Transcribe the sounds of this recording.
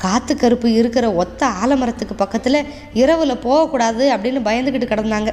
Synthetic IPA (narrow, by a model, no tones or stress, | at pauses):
kaːt̪ːɯkːɐɾɯpːɯɪɾɯkːɪɾɐɔt̪ːɐaːlɐmɐɾɐt̪ːɯkːɯpɐkːɐt̪ːɪlɐ | ɪɾɐʋɯlɐpoːɣɐkːuːɽaːðɯɐpːɐɽɪnːɯbɐjɐnd̪ɯkɪʈːɯkːɐɽɐnd̪aːŋɡɐ